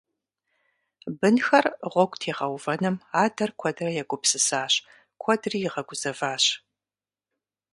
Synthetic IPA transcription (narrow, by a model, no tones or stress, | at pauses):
bɨnxɐrʁʷɔɡʷʼtʰeːʁɐwvɐnɨmaːdɐrkʷʰɔdrɐjɛɡʷʊpsɨsaːɕ | kʷʰɔdriːjɪʁɐɡʷʊz̥ɐvaːɕ